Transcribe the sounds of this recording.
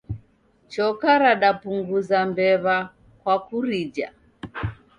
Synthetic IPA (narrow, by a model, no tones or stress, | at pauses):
t͡ʃɔkaɾaɗapuŋɡuzambɛβa | kwakuɾid͡ʒa̰